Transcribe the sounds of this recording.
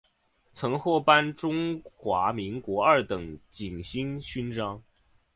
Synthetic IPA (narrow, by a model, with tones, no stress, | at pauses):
t͡sʰɤ˧˥ŋxwɔ˥˩pa˥nʈ͡ʂʊ˥ŋxwa˧˥mi˧˥ŋkwɔ˧˥ə˞˥˩t̪ɤ˨˩ŋt͡ɕi˨˩ŋɕi˥ŋɕy˥nʈ͡ʂɑ˥ŋ